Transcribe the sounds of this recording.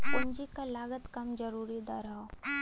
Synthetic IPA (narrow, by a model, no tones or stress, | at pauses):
pʊnd͡ʒikalaːɡət̪kɐmd͡ʒɐɾuːɾid̪aɾaɦo